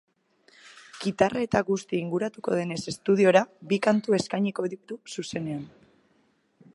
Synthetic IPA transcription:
ɡ̥it̪arae̞t̪aɣust̪iːŋɡuɾat̪uko̞̰ð̞e̞ne̞se̞st̪uðio̞ɾabikant̪ue̞skajɲiko̞eðik̚t̪ususe̞ne̞an

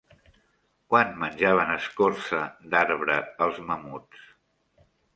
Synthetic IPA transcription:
kwanmənʲʒaβ̞ənəskorsəd̪aɾβɾəəlˠzməmut͡s

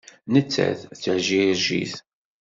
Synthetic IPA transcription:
nət͡sːæ̰θθəʕʒiɾʒḭθ

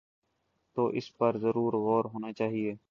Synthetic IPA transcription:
t̪oːʔɪspəɾzəɾuːɾɣoːɾɦoːnaːt͡ʃaːɦieː

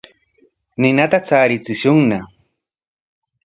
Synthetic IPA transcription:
nɪnat̪at͡saːɾɪt͡sɪʃʊŋna

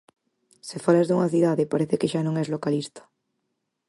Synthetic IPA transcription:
sefalazðuŋaθiðaðepaɾeθekeʃanõŋɛzlokalist̪ḁ

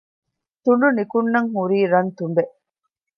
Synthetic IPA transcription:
t̪uɳɖunikunːɐŋɦuɾiːɾɐnt̪umbeʔ

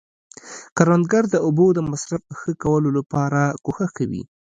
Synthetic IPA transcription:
kaɾand̪̚ɡaɾd̪əʊbod̪əmasɾafxəkawəlolapɑɾakoxaxkawḭ

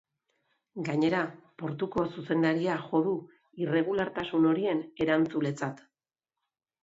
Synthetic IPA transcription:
ɡaɲe̞ɾapo̞ɾt̪uko̞suse̞nd̪aɾiaʝo̞ðu | ire̞ɣulaɾt̪asuno̞ɾie̞ne̞ɾant͡sule̞t͡sat̪

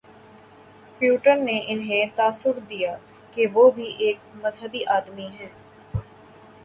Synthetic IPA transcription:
pjuːʈəɾneːʔɪnɦẽːt̪aːsʊɾd̪ijaː | keʋoːbʱiʔeːkməzɦəb̪iʔaːd̪miɦɛ̃ː

